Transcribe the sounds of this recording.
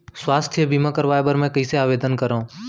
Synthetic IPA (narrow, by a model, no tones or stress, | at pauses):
swaːst̪ʰjəbiːmãːkəɾʋaːjbəɾmɛ̃ːkəiːseaːʋeːd̪ənkəɾaũː